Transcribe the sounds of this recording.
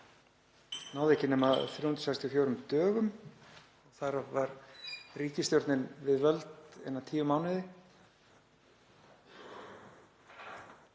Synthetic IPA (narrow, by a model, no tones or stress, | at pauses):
naːwðɛhcɪnɛːmaðθɾowhnt̪sajst̪jɔfjoːwɾʏmt̪œːɣʏm | ɔɣθaɾavvaɾriːcɪst̪jowɾt̪nɪnvɪðvœlt̪ɛ̰nːat̪ʰiːvʏmawnɪðɪ